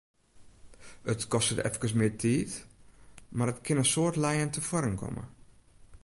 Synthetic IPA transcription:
ətkɔstədɛ̰fkəsmɪːtʰiːt | marətkʰɪnəsoːrtlɛjəntʰəfɔɾənkʰɔ̰mə̰

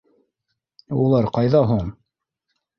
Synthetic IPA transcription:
ulˠɑɾqɑjðɑɦuɴ

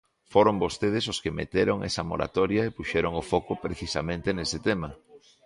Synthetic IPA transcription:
foɾombost̪eð̞ɪsoskemḛt̪eɾoŋḛsɐmo̰ɾa̰t̪ɔɾjaepuʃɛɾoŋofɔkʊpɾeθisa̰mẽnt̪enesɪt̪emɐ

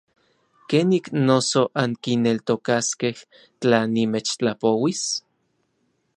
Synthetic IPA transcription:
keːniknosoʔaŋkinelt̪okaskeh | t͡ɬanːimet͡ʃt͡ɬapowis

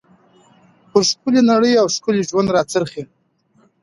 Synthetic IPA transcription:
pʊɾʂkʊlinaɽəjawskʊliʒwand̪ɾɑt͡səɾxi

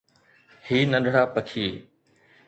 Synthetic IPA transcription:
hiːnɐ̃ɗʱɽaːpəkʰiː

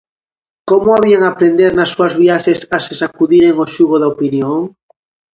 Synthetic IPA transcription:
komoaβiaŋapɾend̪eɾnasːuazβiaʃesasesakuðiɾeŋoʃuɣoðaopinjõŋ

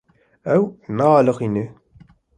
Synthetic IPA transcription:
æwmæʁɑləqinːi

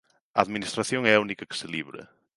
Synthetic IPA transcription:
ɐaðminist̪ɾaθjoŋɛɐunikɐkɪ̥sɪliβɾɐ̰

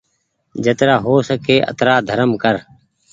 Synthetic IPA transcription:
d͡ʒət̪ɾaːɦoːsəkeːʔə̰t̪ɾaːd̪ʱəɾəmkəɾ

